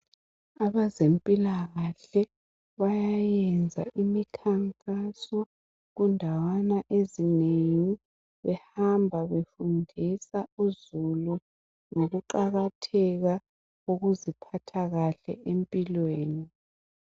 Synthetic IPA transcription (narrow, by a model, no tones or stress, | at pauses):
aβazempʼilaɣaɬɛ | βajajɛnd͡zʱa̰ʔimikʰaŋkʼasɔ | ɣundʱawanaʔezineŋi | βɛhambʱaβefundʱisauzulu | ŋoɣuǃaɣatʰɛɣa | uɣuzipʰatʰaɣaɬɛ̰ʔempʼilweːni